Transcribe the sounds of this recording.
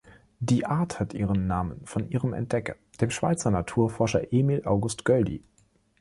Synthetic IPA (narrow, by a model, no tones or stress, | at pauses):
d̥iːʔaɐthatʰʔḭːʁənːaːmə̰nfɔnʔiːʁəmɛ̰nt̚d̥ɛkɐ̰ | d̥eːmʃv̥aɪt͡sɐnatʰuːɐfɔɐʃɐ̰ʔeːmilʔaʊɡʊstɡ̥œldḭ